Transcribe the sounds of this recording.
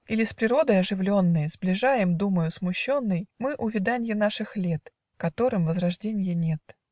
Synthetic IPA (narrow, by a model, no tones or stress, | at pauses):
ilʲɪspɾʲɪɾo̞d̪əjɐʐɨvlʲo̞nːɨjzblʲɪʐajɪmd̪uməjʊsmʊɕːo̞nːɨjmɨʔʊvʲɪd̪anʲjɪnaʂɨxlʲet̪ | kɐt̪o̞ɾɨmvəzrɐʐdʲenʲɪjənʲe̞t̪